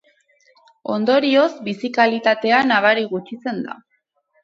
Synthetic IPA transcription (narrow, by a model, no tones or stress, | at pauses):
o̞nd̪o̞ɾio̞zbisikalit̪at̪e̞anaβaɾiɣut͡ʃit͡se̞nd̪a̰